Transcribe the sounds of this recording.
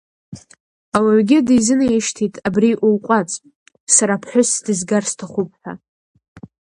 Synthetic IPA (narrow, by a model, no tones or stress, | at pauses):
awaʕʷɡʲɪdizɨnajɪʃtʰitʰʼabriʔulqʷʼat͡sʼ | saɾapʰħʷʊsdɨzɡarstʰaχʷʊp̚ʰʼħʷᶣa̰